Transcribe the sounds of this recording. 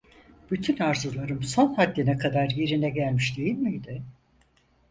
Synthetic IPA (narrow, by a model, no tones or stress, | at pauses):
b̥yt̪ʰynaɾzulˠaɾɯmso̞nhad̪ːinɛkʰad̪aɾjeɾinɛɟælʲmiʃd̪e̞jilʲmiid̪ɪ